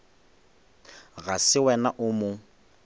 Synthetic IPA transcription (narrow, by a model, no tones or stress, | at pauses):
ɣasɪwɛnaʔʊmʊ